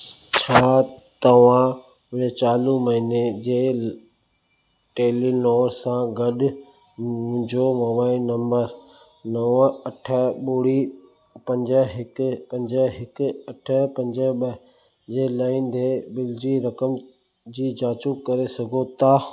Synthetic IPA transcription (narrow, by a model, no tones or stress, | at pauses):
t͡ɕʰaːt̪ɐʋ̤ã | ʊət͡ɕaːlũmɐɦined͡ʑeː | ʈeːlinɔːɾsãɡɐɗʊ | ũɲd͡ʑoʋɐʋaːinɐ̃mbəɾ | nɐʋɐʈʰəɓuːɽi | pɐ̃ɲd͡ʑəɦɪkpɐ̃ɲd͡ʑəɦɪkʊɐʈʰəpɐ̃ɲd͡ʑəɓə | d͡ʑeːlaːind̪ebɪld͡ʑiɾɐkəm | d͡ʑiːd͡ʑaːt͡ɕukɐɾesɐɡʱot̪ʰaː